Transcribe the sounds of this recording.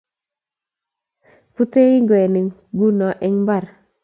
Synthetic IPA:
pu˦te˦i˦ŋɡwɛ˨nɪ˨ | ɡu˦nɔ˨ʔɪ˦ŋba˦˨ɾ

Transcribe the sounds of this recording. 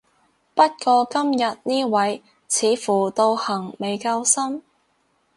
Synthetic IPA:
pɐ˥t̚kɔː˧kɐ˥mjɐ˨t̚niː˥wɐ˨˥j | t͡sʰiː˨˧fuː˨˩t̪o˧whɐ˨˩ŋme˨˧jkaː˧wsɐ˥m

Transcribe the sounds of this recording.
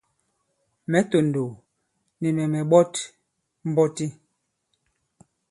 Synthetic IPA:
mɛ˨˦to˨n˨do˨ | ni˨mɛ˨mɛ˨ɓɔ˦t | m̩˦bɔ˦ti˦

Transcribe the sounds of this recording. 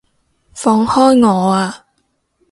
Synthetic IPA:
fɔː˧ŋhɔː˥jŋɔː˨˧aː˧

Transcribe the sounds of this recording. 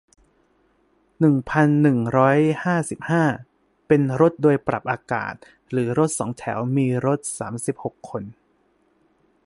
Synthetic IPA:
nɯ˨˩ŋpʰa˧nːɯ˨˩ŋɾɔː˦˥jhaː˥˩si˨˩p̚haː˥˩ | pe˧nɾo˦˥t̪̚doː˧jpɾa̰˨˩p̚ʔaː˧ka̰ː˨˩t̪̚ | ɾɯː˩˦ɾo˦˥t̪̚sɔ̰ː˩˦ŋt̪ʰɛ̰ː˩˦wmiː˧ɾo˦˥t̪̚sa̰ː˩˦msi˨˩p̚ho˨˩kʰːo˧n

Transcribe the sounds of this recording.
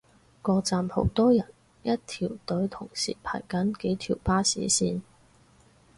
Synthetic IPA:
kɔː˧t͡saː˧mho̰˨˥wt̪ɔː˥jɐ˨˩n | jɐ˥t̚t̪ʰiː˨˩wt̪ɵ˨˥ɥt̪ʰʊ˨˩ŋsḭː˨˩pʰa̰ː˨˩jkɐ˨˥nke˨˥jt̪ʰiː˨˩wpaː˥sḭː˨˥siː˧n

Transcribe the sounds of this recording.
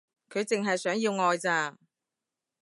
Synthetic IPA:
kʰɵ˨˧ɥt͡sɪ˨ŋɦɐ˨jsœː˨˥ŋjiː˧wŋɔː˧jt͡saː˧ŋ

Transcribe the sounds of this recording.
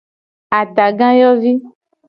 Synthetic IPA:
a˨t̪a˨ɡã˦jɔ˦vi˦

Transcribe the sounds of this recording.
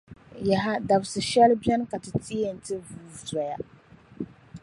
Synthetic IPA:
ja˨ɦa˦da˨bsɨ˨ʃɛ˦lbɛ˦n˦ka˨tɨ˨ti˦e˦˨n̩˨tɨ˦vu˨za˨ja˦

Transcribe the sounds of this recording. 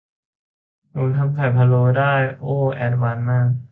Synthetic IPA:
nuː˧˩nt̪ʰa˧˥mkʰa˨˩jpʰa˧loː˧daː˥˩jʔoː˥˩ʔɛː˧˩t̪̚waː˧nmaː˥˩k̚

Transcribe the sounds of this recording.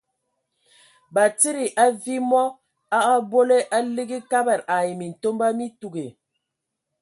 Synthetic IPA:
ba˨ti˦ɾi˨ʔa˦vi˦mɔ˦ | a˦ʔa˦bo˦le˦ʔa˦li˦ɡi˦ka˦bɛ˨ɾa˨je˨mi˨n̩˨to˦mba˦mi˦tu˨ɡe˨

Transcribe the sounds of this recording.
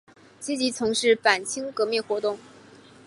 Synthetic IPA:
t͡ɕi˥t͡ɕi˧˥t͡sʰʊ˧˥ŋʂɻ̩˥˩pa˨˩nt͡ɕʰi˥ŋkɤ˧˥mi˥˩nxwɔ˧˥t̪ʊ˥˩ŋ

